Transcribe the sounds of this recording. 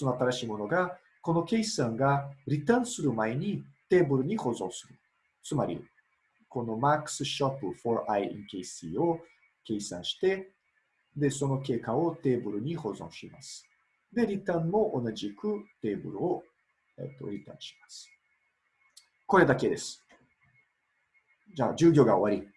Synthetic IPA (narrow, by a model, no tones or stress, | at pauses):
sonoat̪aɾaɕiːmo̞no̞ɡa | ko̞no̞ke̞isãŋɡaɾʲit̪ãɰ̃sɨɾɯ̟mae̞ɲ̟it̪e̞ːbɯ̟ɾɯ̟ɲ̟iho̞zõ̞ɰ̃sɨɾɯ̟ | t͡sɨmaɾʲḭ | ko̞no̞makɯ̥sɨɕopɯfo̞ɾʔaiḭ̃ŋkeisḭːo̞ | ke̞isã̰ɰ̃ɕi̥t̪e̞ | d̪e̞so̞no̞ke̞ːkao̞t̪e̞ːbɯ̟ɾɯ̟ɲ̟iho̞zõ̞ɕima̰sɨ̥ | d̪e̞ɾʲit̪ãmmo̞ʔonaʑikɯ̟t̪e̞ːbɯ̟ɾɯ̟o | ḛt̪ːo̞̰ɾʲit̪ã̰ɰ̃ɕi̥masɨ̥ | ko̞ɾe̞d̪ake̞d̪e̞sɨ̥ | d͡ʑa̰ːd͡ʑɨːɡʲo̞ːɡaoβaɾʲi